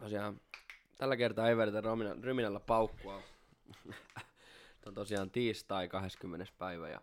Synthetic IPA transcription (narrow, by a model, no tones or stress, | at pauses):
t̪osiɑːn | t̪ælːækert̪ɑːeiʋeret̪ærominɑ̰ryminælːæpɑukːuɑ | t̪ont̪osiɑːnt̪iːst̪ɑikɑheskymːenespæiʋæ̰jɑ̰